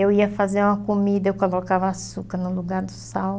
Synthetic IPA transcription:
ewiɐfazeɾũmɐkomid̪ɐewkolokavɐːsukɐɾnʊluɡaɾd̪ʊsaw

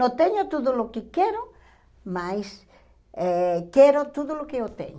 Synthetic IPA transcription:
ot̪eɲot̪oðolokɪkeɾo | majs | ɛkɛɾot̪oðolokeot̪ḛɲ

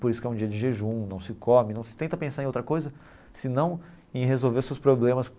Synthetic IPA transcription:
poɾisʊkɛũd͡ʒiɐd͡ʒɪʒeʒũnɐ̃w̃sɪkʰomɪnɐ̃w̃sɪ̥t̪ẽnt̪ɐpẽsaɾẽowt̪ɾɐkojzɐ | sɪnɐ̃w̃ | ẽɦezowveɾsewspɾoblẽmɐs

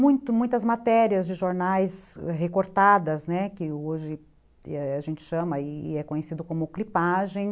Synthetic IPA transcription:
mũj̃t̪ʊmũj̃t̪ɐzmat̪ɛɾiɐzd͡ʒɪʒoɾnajsɛɦekoɾt̪ad̪ɐznɛkɪoʒɪ | ɛaʒẽnt͡ʃɪ̥ʃɐ̃mɐɪɛkõɲesid̪ʊkõmʊklipaʒẽj̃

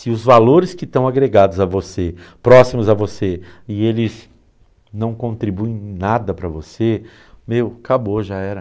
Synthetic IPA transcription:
sɪʊzvaloɾɪskɪt̪ɐ̃w̃aɡɾeɡad̪ʊzɐvosepɾɔsimʊzɐvoseɪelɪz | nɐ̃w̃kõnt̪ɾibuẽj̃nad̪ɐpɾɐvose | mewkaboʒaɛɾɐ

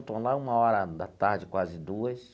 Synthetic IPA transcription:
t̪õlaũmɐɔɾɐd̪at̪aɾd͡ʒɪkwazɪd̪uɐs

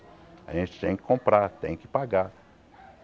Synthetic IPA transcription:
a̰ʒẽnt͡ʃɪ̥t̪ẽj̃kɪ̥kõpɾat̪ẽj̃kɪ̥paɡa

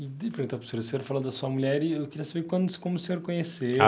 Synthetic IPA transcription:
ɪd̪efɾẽnt̪apsuɾɐsẽɲoɾfalõd̪ɐsuɐmuʎɛɾɪewkɪɾiɐsabekwɐ̃nd̪kõmʊseɲoɾkõɲese

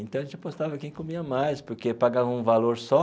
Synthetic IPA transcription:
ẽt̪ɐ̃ɐʒẽnt͡ʃpost̪avɐkẽj̃komiɐmajspoɾkepaɡavɐũvaloɾsɔ

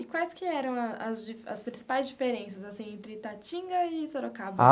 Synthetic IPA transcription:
ɪkwajskɪɛɾɐ̃w̃ɐɐzd͡ʒifɐ̰spɾĩsipajzd͡ʒifeɾẽsɐzasĩj̃ẽnt̪ɾɪt̪at͡ʃĩŋɡɐɪsoɾokab

